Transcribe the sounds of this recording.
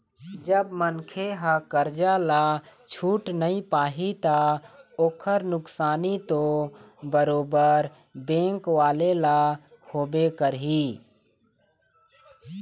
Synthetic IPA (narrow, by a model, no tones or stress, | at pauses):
d͡ʒəbmənkʰeɦakəɾd͡ʒalat͡ʃʰuːʈnəĩpaːɦit̪aoːkʰəɾnʊksaːnit̪obəɾoːbəɾ | bẽːŋkʋaːlela | kʰoːbekəɾɦi